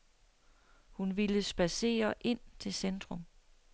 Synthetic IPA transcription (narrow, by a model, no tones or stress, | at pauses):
hunʋiləsb̥æse̝̰ːɐʔe̝n̰t͡sʰe̝lsend̥ʁɔ̽m